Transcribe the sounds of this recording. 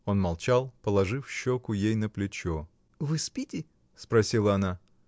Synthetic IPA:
o̞nmɐlˠt͡ɕalˠpəlˠɐʐɨfɕːokʊjejn̪əplʲɪt͡ɕo | vɨspʲitʲɪ | spɾɐsʲilˠəɐna

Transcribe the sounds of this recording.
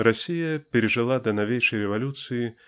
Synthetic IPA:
ɾasʲijɐpʲɛɾʲɛʐɨlˠad̪ɐnavʲejʂɐjɾɛvalʲut̪sɨji

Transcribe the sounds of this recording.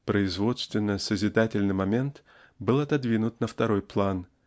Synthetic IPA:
pɾəɪzvo̞t̪st̪vʲɪnːəsəzʲɪd̪atʲɪlʲnɨjmɐmʲe̞nt̪ | bɨlˠɐt̪ɐd̪vʲinʊt̪nəft̪ɐɾo̞jplˠan

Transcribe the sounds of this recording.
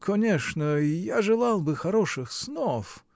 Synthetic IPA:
kʰɔnʲɛʂnɛjaʐɛlˠawbɨxaɾɔʂɨxsnɔf

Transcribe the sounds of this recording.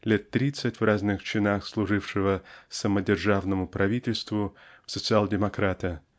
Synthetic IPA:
lʲet̪ːɾʲit̪sɨtʲvraznɨxt͡ɕɪnaxslˠʊʐɨfʂɨvəsəmədʲɪrʐavnəmʊpɾɐvʲitʲɪlʲst̪vʊfsət̪sɨalˠdʲɪmɐkɾat̪ə

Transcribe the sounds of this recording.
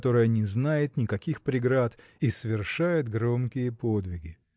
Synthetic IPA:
t̪o̞ɾɨjənʲɪznajɪt̪nʲɪkɐkʲixpɾʲɪɡɾat̪ | isəvʲɪrʂajɪt̪ɡɾo̞mkʲɪjəpod̪vʲɪɡʲɪ

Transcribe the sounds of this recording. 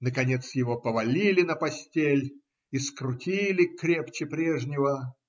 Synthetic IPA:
nəkɐnʲet̪sjɪvo̞pəvɐlʲilʲɪnəpɐsʲtʲelʲ | iskɾʊtʲilʲɪkɾʲept͡ɕɪpɾʲeʐnʲɪvə

